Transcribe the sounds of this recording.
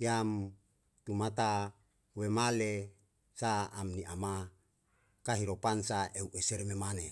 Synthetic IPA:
iam | t̪umat̪a | wemale | saːmniʔama | kaɦiɾopansaʔeuʔeseɾmemane

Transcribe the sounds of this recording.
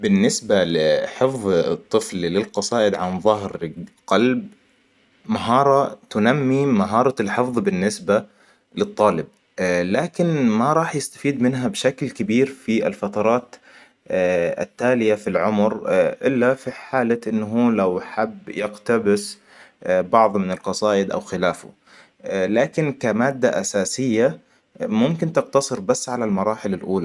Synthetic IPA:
bɪnːɪsbalɪħɪfðˤt̪ˤːɨfllɪlqɑsˤɑːʔɪd̪ʕanðˤɑɦɾqɑlb | maɦɑːɾˤɑt̪ʊnamːimaɦɑːɾˤɑlħɪfðˤbɪnːɪsba | lɨt̪ˤːɑːlɪb̚ | laːkɪnmaɾˤɑːħjɪst̪ḁfiːd̪mɪnɦabʃaklkabiːɾfiɪ̰lfɑt̪ɑɾˤɑːt̪ː | a̰t̪ːaːlɪjafilʕʊmɾʔɪlːafiħaːlaʔɪnːɦuːlawħabːjɪqt̪abɪs | bɑʕðˤmɪnalqɑsˤɑːʔɪd̪ʔa̰wxɪlaːfʊ̰ | laːkɪnkamaːd̪ːaʔasaːsɪjːa | mʊmkɪnt̪ɪqt̪ɑsˤɨɾbasːʕalalmɑɾˤɑːħɪlalʔuːla

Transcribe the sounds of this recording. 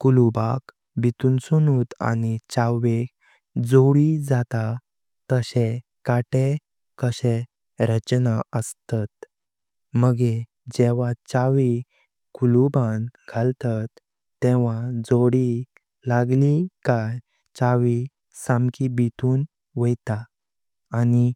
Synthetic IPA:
kulubak | bit̪uːnsunuːt̪a̰nit͡ɕaʋe | d͡zoɽid͡zat̪a | t̪əɕe | kaʈe | kəɕe | ɾət͡ɕnaəst̪at̪ | məɡe | d͡ʑɛʋat͡ɕaʋi | kulubãnɡʱalt̪at̪ː | eʋ̤ad͡zoɽi | laɡlikaj | t͡ɕaʋi | sãmkibit̪uːn | ʋəjt̪aː | ni

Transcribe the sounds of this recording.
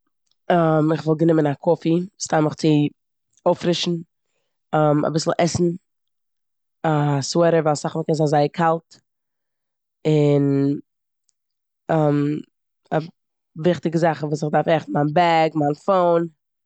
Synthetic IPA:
amɪχvɪlˠɡənɪmənakʰɔfistaɪməχt͡sɪ | oʊfɾɪʃn̩ | əma̰bɪsl̩ˠʔɛsn̩ | aswɛɾəvalˠsaχməkɛnzazaɪəkʰalˠt | ɪn | əm | a | vɪχtɪɡəzaχəvuːsɪχdaɾfɛχn̩manbɛɡmanfoʊn

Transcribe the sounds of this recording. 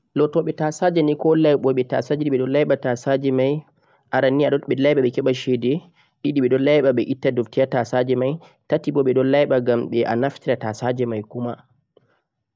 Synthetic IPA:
lɔtɔɓɛtasad͡ʒɛnikɔlajɓɔɓɛta̰sad͡ʒiɗiɓɛɗɔlajɓatasad͡ʒɛmaj | ʔaɾanːiaɗɔɓɛlajɓaɓɛkɛɓaʃɛdɛ | ɗiɗiɓɛɗɔlajɓaɓɛʔitːadoftiatasad͡ʒɛmaj | tatiɓɔɓɛɗɔlajɓaɡamɓɛʔa̰naftiɾatasad͡ʒɛmajkuma

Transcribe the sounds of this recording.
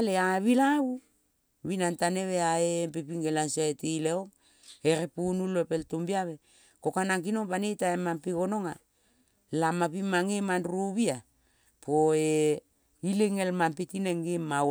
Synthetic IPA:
aleaβilawu | βinantaneβeaempepiŋɡelansoetileoŋ | eɾepunuloepeltumbiaβe̞ | ko̞kanaŋkino̞ŋpanetaemampiko̞no̞ŋa | lamapimaŋemanɾuβia | poe | ileŋelmampitineŋima

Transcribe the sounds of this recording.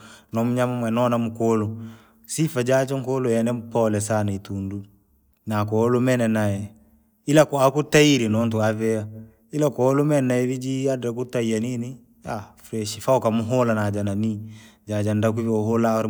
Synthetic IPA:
nɔmuɲamamɛnɔnamukolu | sifad͡ʒad͡ʒaŋkolujɛnɛmpɔlɛsanaitundu | nakɔlumɛnɛnajɛ | ilakɔakutajiɾinɔnt̬uavɛa | ilakɔlumɛnaɛvid͡ʒiadɾakutajanini | afɾɛʃifawkamuɦolanad͡ʒananid͡ʒad͡ʒandak̬ufioholawɾ

